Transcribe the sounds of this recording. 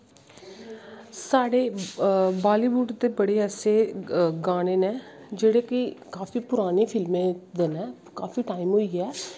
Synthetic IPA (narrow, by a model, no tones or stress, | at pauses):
saːɽeː | baːliːʋuɖd̪eːbəɽeːɛseːɡaːneːneː | d͡ʒeːɽeːkɪkaːfiːpʊɾaːneːpʰɪlmẽːd̪enɛː | kaːfiːʈaːimɦoːiːɛː